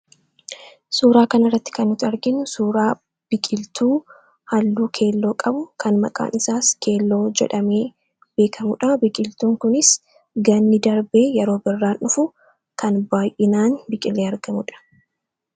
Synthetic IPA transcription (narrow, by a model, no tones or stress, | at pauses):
suːɾaːkɐnɐrːɐt̪ːɪ̥kɐnːʊt̪ɐɾɡɪnʊsuːɾaː | b̥ɪkʼɪlt̪uː | hɐlːuːkʰe̞ːlːo̞ːkʼɐbʊkʰɐnmɐ̰kʼa̰ːnɪsaːskʰe̞ːlːo̞ːd͡ʒɛ̰ᶑɐme̞ː | b̥e̞ːkʰɐmʊᶑɐbɪkʼɪlt̪uːŋkʊnɪs | ɡɐnːɪd̪ɐɾbeːjɛɾo̞ːbɪrːaːnʔʊfʊ | kɐnbaːjʔɪnaːnbɪkʼɪlːeːɐɾɡɐmʊᶑɐ̥